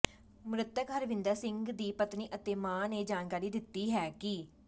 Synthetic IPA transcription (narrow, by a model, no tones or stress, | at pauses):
mɾət̪ːəkɦəɾʋɪ̃nd̪aːsɪ̃ŋɡd̪iːpət̪niːʔət̪eːmãːneːd͡ʒaːnkaːɾiːd̪ɪt̪ːiːɦɛːkɪ